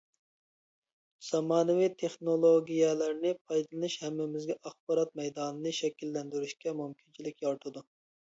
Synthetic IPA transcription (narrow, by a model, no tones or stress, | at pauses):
z̥ɑmɑːnɨwit̪ʰeχnolˠoɡʲijɛlæɾnɪpʰɑjd̪ɨlˠɨnɨʃhɛmːɪmɪzɡʲɛʔɑχbɑɾɑt̪̚mɛjd̪ɑːnɨnɨʃɛkʲilːɛnd̪yɾyʃkʲɛmumkʲʰint͡ʃʰilɪkʲjɑɾt̪ʰɨd̪u